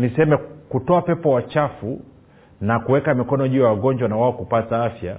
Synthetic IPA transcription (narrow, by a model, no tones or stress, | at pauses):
nisɛmɛkutɔapɛpɔwat͡ʃafu | nakuwɛkamikɔnɔʄujawaɡɔɲd͡ʒwanawaɔkupataafja̰